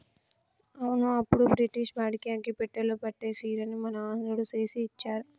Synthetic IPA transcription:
ɐwunuɐpːuɽubɾiʈiʃbaːɽikiaːkipɛʈːeloːpɐʈːeːsiːɾɐnimɐnɐɐnd̪ɐɽut͡ʃe̞ːsiːt͡ʃːaːɾu

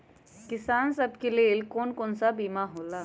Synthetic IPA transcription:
kɪsaːnsɐbkeleːlkoːnkoːnsabiːmaɦoːlaː

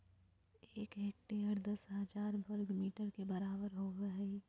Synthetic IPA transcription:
eːkeːk̚ʈeəɾd̪ɐsɦəd͡ʒaːɾbəɾɡmiːʈəɾkebəɾaːbəɾɦoːɡəɦi

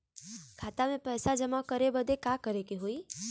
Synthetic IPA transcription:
kʰat̪amẽpəjsad͡ʒəmakəɾebəd̪ekakəɾekeɦoi

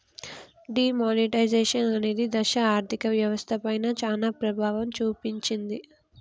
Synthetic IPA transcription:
ɖiːmoːniʈɐjd͡ʒeːʃɐnɐne̞ːd̪id̪ɐʃɐaːɾt̪ʰikɐʋjɐʋɐst̪ʰɐpɐjnɐt͡ʃaːlapɾɐbʱaːʋɐmt͡ʃuːpiɲt͡ʃind̪i

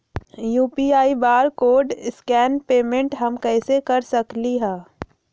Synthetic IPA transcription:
juːpiaːibaːɾkoːɖɪskɛːnpeːmẽɳʈɦɐmkɛːsekɐɾsɐkliɦɛ̃ː

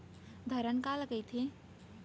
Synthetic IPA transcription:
d̪ʱəɾənkalkəjt̪ʰe

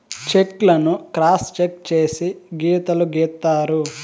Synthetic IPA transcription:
t͡ʃeklɐnukɾaːst͡ʃek̚t͡ʃeːsiɡiːt̪ɐluɡiːt̪ːaːɾu

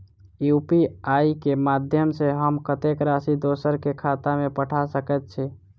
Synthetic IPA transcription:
jupiaikemad̪ʱjəmseɦəmkət̪ekɾasid̪osəɾkekʰat̪amepəʈʰasəkɛt̪̚t͡ʃʰɛ

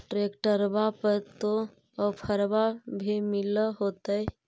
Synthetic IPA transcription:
ʈɾekʈəɾbapəɾt̪o | əpʰəɾbabʱimiləɦot̪əj

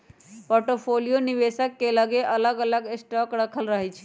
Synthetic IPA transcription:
poɾʈopʰolijoniβesəkːeləɡeʔələɡələɡesʈəkɽəkʰəlɾəɦəjt͡ʃʰ

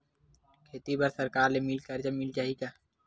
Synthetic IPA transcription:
kʰeːt̪ibɐɾsɐɾkaːɾlemilkɐɾd͡ʒɐmɪlt͡ʃaːɦiɡaː

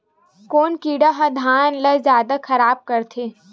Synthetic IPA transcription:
koːnkiːɖaɦɐ̃d̪ʱaːnlɐzjaːd̪akʰɐɾaːb̚kɐɾt̪ʰeː

